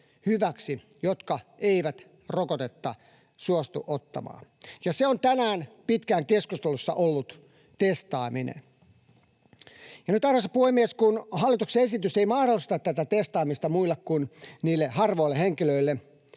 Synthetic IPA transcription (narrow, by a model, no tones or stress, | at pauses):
hyʋæksi | jot̪kɑeiʋæt̪ | rokot̪et̪ːɑ̰ | suost̪uʔot̪ːɑ̰mɑ̰ːjɑseont̪ænæːnpit̪kæːŋkeskust̪elusːɑ̰ʔolːut̪ | t̪est̪ɑːminḛn | jɑnyt̪ɑːhɑsɑpuhemːieskunhɑlːˑit̪ukseesit̪yseimɑhdolːˑist̪ɑt̪t̪ːæt̪æt̪est̪ɑːmist̪ɑmuilːekkunniːlːehɑrʋoilːeheŋkiløilːe